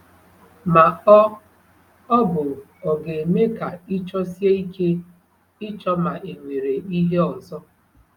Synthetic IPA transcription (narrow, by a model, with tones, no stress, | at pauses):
ma˨ɔ˦ | ɔ˦bʊ˨ | ɔ˨ɡe˨e˨me˦ka˨ɪ˦t͡ʃɔ˦si˦e˦i˦ke˦ | ɪ˦t͡ʃɔ˦ma˨ʔe˨ŋʷe˨ɾe˨i˦ɦe˦ɔ˨zɔ˦